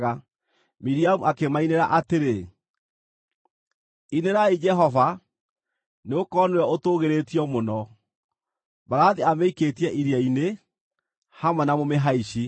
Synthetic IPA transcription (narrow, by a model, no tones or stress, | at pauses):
ɣa | miɾiamuakemaineɾaʔateɾe | ineɾaid͡ʒɛɦɔva | neokɔnwɛotoːɣeɾetiɔmonɔ | baɾaðiameiketiɛʔiɾiaine | hamwɛnamomeɦaiɕi